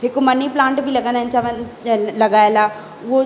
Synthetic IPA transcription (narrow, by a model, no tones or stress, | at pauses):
ɦɪkmɐniplãːɳʈbʱilɐɡə̃nd̪aɦɪnɪt͡ɕaʋlɐɡaːelaː | ʊɦo